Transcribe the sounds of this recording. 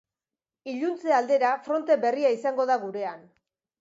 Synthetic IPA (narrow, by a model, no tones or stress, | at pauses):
iʎunt͡se̞ald̪e̞ɾafɾo̞nt̪e̞be̞riaisaŋɡo̞ð̞aɣuɾe̞an